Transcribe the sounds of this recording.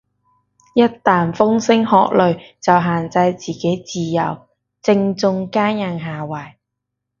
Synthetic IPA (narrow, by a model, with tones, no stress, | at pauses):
jɐ˥t̚t̪aː˨nfʊ˥ŋsɪ˥ŋhɔː˨˧k̚lɵ˨ɥt͡sɐ˨wɦaː˨nt͡sɐ˧jt͡siː˨ke˨˥jt͡siː˨jɐ̰˨˩w | t͡sɪ˧ŋt͡sʊ˧ŋkaː˥njɐ˨˧ŋɦaː˨wɐː˨˩j